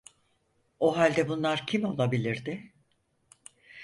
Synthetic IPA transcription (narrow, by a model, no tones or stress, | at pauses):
o̞ɦalʲd̪ɛbunlˠaɾcʰimo̞lˠabilʲiɾd̪ɪ